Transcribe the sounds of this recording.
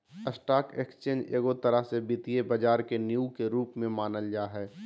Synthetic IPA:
əsʈaːkekst͡ʃẽːnd͡ʒḛːɡot̪əɾəɦsebɪt̪iebɐd͡ʒaːɾkenjukeɾuːpmẽmaːnəld͡ʒaːɦɛː

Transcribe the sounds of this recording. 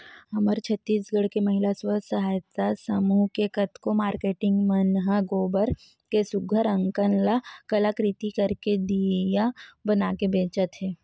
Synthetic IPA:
ɐməɾt͡ʃʰət̪ːiːsɡəɽkemɐɦɪlaswəsɐɦaːjət̪asəmuːɦkekɐt̪komaːɾkeːʈɪ̃ŋɡmɐnɦaɡoːbəɾ | kesʊɡʱəɾə̃ŋkənlakɐlakɾit̪ikɐɾked̪ijabɐnaːkebeːt͡ʃət̪ɦɛː

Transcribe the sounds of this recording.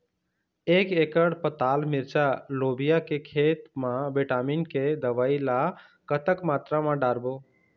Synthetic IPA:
ekekəɽpət̪almiɾt͡ʃalobijakekʰet̪mãbeʈaminked̪əʋaila | kət̪əkmat̪ɾamãɖaɾbo

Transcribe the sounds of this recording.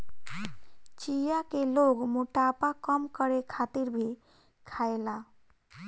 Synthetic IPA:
t͡ʃijakeloɡmoʈapakəmkəɾekʰat̪iɾbʱi | kʰaela

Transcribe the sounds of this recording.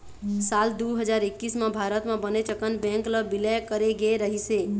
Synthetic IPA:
sald̪uɦəd͡ʒaɾekːismãbʱaɾət̪mãbənet͡ʃəkənbɛ̃ŋkləbilekəɾeɡeɾəɦise

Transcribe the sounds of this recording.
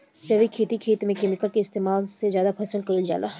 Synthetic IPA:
d͡ʒɐbikʰeːt̪ikʰeːt̪mẽkeːmɪkəlkeɪst̪eːmaːlsezjaːd̪apʰɛːsəlkɐld͡ʒa̰ːla̰ː

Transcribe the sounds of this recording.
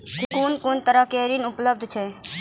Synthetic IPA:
kikoːnkoːnt̪əɾəɦkeɾinupləb̚d̪ʱt͡ʃʰɛ

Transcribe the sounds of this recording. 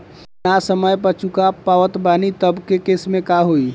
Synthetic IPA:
nasəməjpət͡ʃukapaʋət̪banit̪əbkekesmẽkaɦoi

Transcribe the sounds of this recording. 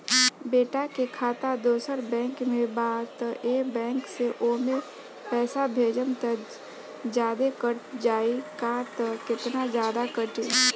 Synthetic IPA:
beːʈakekʰaːt̪ad̪oːsəɾbɛ̃ːŋkmẽbaːt̪eːbɛ̃ːŋkseʔoːmẽ | pɛːsabʱeːd͡ʒənt̪ə | d͡ʒjaːd̪ekəɾd͡ʒaːikat̪kɪt̪nad͡ʒjaːd̪akəʈeː

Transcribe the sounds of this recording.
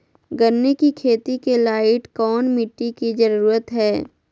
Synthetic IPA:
ɡənːekikʰeːt̪ikelaːɪʈkɔːnmɪʈːikid͡ʒɐɾuːɾət̪ɦɛː

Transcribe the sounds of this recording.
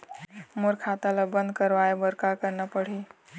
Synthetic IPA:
moɾkʰat̪aləbənd̪̚kəɾʋaebəɾkakəɾnapəɽ̤i

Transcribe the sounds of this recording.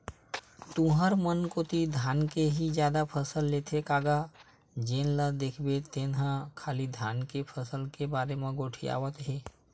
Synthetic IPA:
t̪ũɦəɾmənkoːt̪id̪ʱaːnkeɦid͡ʒjaːd̪apʰəsəlːet̪ʰekaːɡa | d͡ʒeːnləd̪eːkʰbet̪eːnɦakʰaːlid̪ʱaːnkepʰəsəlkebaːɾemẽɡoːʈʰḭa̰ːʋət̪ɦeː

